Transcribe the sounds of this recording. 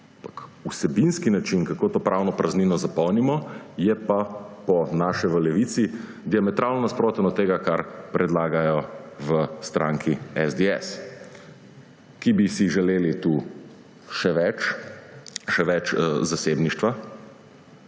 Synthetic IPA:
ampakusɛbinskinat͡ʃinkakoːt̪oːpɾawnɔpɾazninɔzapɔwnimɔjɛpapɔnaːʃɛʋəlɛʋit̪si | d̪iamɛt̪ɾaːlnɔnaspɾoːt̪ɛnɔt̪ːeːɡakaɾpɾʔɛd̪laːɡajɔʋəst̪ɾãŋkʰiɛzd̪eɛs | kibisiʒɛleːlit̪u | ʃɛʋɛt͡ʃ | ʃɛʋɛt͡ʃzaseːbniʃt̪ʋa

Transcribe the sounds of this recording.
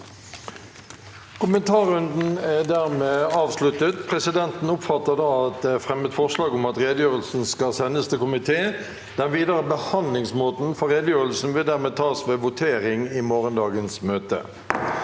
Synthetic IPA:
kʰʊmənt̪ʰɑːʁʉnd̪n̩æd̪æʁmeːɑːʋslʉt̪ət̪pʰʁɛsɪd̪ɛnt̪n̩ʊpfɑt̪ːəʁd̪ɑːɑt̪̚d̪ɛfʁɛmət̪fɔʁslɑːɡʊmɑt̪ʁeːd̪əjøːʁəlsn̩skɑsɛnːəst̪ʰɛkʊmɪt̪ʰeː | d̪̥ɛnʋiːd̪əʁəbəhɑnd̪lɪŋsmoːt̪n̩fɔʁeːd̪əjøːʁəlsn̩ʋɪld̪æʁmeːt̪ʰɑːsʋeːʋʊt̪ʰeːʁɪŋɪmoːʁənd̪ɑːɡənsmøːt̪ə̰

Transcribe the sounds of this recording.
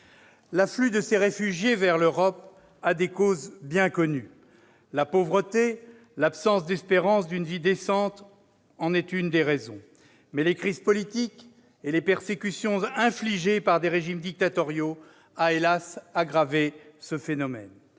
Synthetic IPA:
laflyd̪əseʁefyʒjevɛʁløʁɔp | ad̪ekozbjɛ̃kɔny | lapovʁət̪e | lapsɑ̃sd̪ɛspeʁɑ̃sd̪ynvid̪esɑ̃t̪ | ɑ̃nɛt̪ynd̪eʁezɔ̰̃ | mɛlekχizpɔlit̪ik | elepɛʁsekʲysjɔ̃ɛ̃fliʒepaʁd̪eʁeʒimd̪ik̚t̪at̪ɔʁjo | aelasaɡʁavesəfenɔmɛ̰n

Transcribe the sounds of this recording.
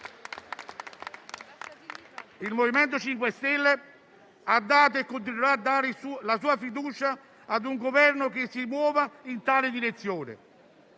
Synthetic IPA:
ilmovimɛnt̪ot͡ʃiŋkwest̪ɛlːe | ad̪ːaːt̪̬oekːont̪̬ineɾaːd̪ːaːɾɪsulasuːafid̪uːt͡ʃaː | d̪uŋɡovɛrnʊk̟ɪsːimwɔːvaint̪aːlɪd̪iɾet̪sːjoːnɪ̰

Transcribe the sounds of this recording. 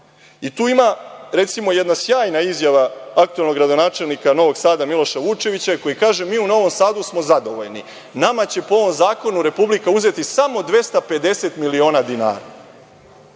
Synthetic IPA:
it̪uːimaɾe̞t̪simo̞je̞d̪nasjaːjnaizjaʋaak̚t̪ue̞lˠno̞ɡɾad̪o̞naːt͡ʃe̞lnikano̞ʋo̞ɡsaːd̪amilˠo̞ʃaʋut͡ʃe̞ʋit͡ɕako̞jikaːʒe̞miːuno̞ʋo̞msaːd̪usmo̞zad̪o̞ʋo̞̰ʎnḭ | namat͡ɕe̞poo̞ʋo̞mzaːko̞nuɾe̞publikauze̞t̪isamo̞d̪ʋe̞st̪ape̞d̪e̞se̞t̪milio̞ːnad̪ina̰ːɾa̰

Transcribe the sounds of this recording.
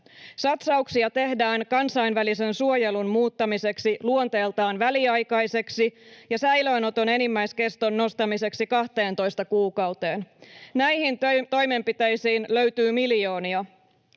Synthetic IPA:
sɑt̪sɑuksiɑt̪e̞hdæːŋkɑnsɑinʋælise̞nsuojelunmuːt̪ːɑmise̞ksiluo̞nt̪e̞ːlt̪ɑːnʋæliɑjkɑjse̞ksijɑsæjløːno̞t̪o̞ne̞nimːæjske̞st̪onːo̞st̪ɑmise̞ksikɑht̪e̞ːnt̪o̞jst̪ɑkuːkɑwt̪e̞ːnnæjhint̪o̞jme̞mpit̪ejsiːnløɥt̪yːmiljo̞ːniɑ

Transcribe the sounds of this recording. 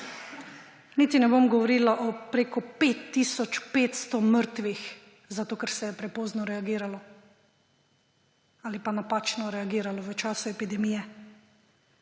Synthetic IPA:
niːt̪inɛbomɡɔʋɔɾilaʔɔpɾeːkɔpet̪ːiːsɔt͡ʃpeːt̪st̪ɔməɾt̪ʋix | zat̪oːkɛɾsɛjɛpɾɛpɔːznɔɾɛaɡiːɾalɔ | aːlipanapaːt͡ʃnɔɾɛaɡiːɾalɔʋət͡ʃaːsuɛpid̪ɛmijɛ

